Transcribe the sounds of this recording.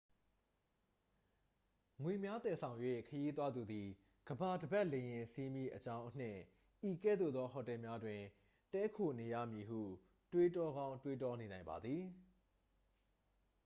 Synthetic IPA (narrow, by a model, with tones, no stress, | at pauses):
ŋwe˨mja˦t̪ɛ˨sʰã˨ʊ̃jwḛ˦˨kʰəji˦t̪̬wa˦d̪u˨d̪i˨ | ɡ̥əba˨dəba˦ʔlẽ˨jɪ̃˨sʰi˦mjḭ˦˨ʔət͡ɕã˦ʊ̃ʔən̥ɪ̰̃˦˨ | ʔi˨kɛ̰˦˨d̪o̰˦˨d̪ɔ˦ɦɔ˨tɛ˨mja˦dwɪ̃˨ | tɛ˦kʰo˨ne˨jä̰˦˨mji˨ɦṵ˦˨ | twe˦tɔ˦ɡã˦ʊ̃ntwe˦tɔ˦ne˨nã˨ɪ̃mba̰˨d̪ði˨